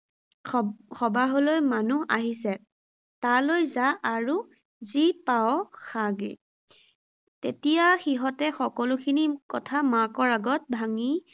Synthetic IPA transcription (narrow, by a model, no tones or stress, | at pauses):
xʰɔbaɦolojmanuʔaɦisɛ | talojzaʔaɹu | zipawxaɡḛ | tetijaxiɦɔtɛxɔkɔlʊkʰinikɔtʰamakɔɹaɡɔt̚bʱaŋi